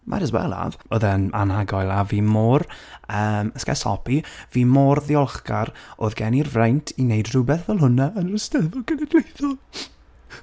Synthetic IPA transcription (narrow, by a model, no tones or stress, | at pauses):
mʔa̰ɾəzwɛ̰lˠa̰voːðəna̰nhaɡɔjlˠaviːmoːrəːməskɛ̰sɔ̰pʰiviːmɔrðiɔlˠχɡaɾoːðɡɛnirvrajntʰinejdrʊbɛθvɛlˠɦʊnaənərəstəvɔɡ̥ənɛɡlejθɔ